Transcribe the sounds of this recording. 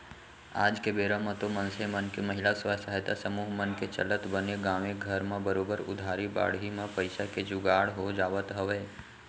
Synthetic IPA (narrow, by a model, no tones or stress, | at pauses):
ad͡ʒkebeɾamãt̪omənsemənkeməɦilasʋasaɦet̪asəmuɦmənket͡ʃə̰lət̪bənjəɡaʋeɡʱəɾmãbəɾobəɾʊ̰d̪ʱaɾiba̰ɽɦimãpəjsaked͡ʒʊɡaɽɦod͡ʒaːʋət̪ɦəʋe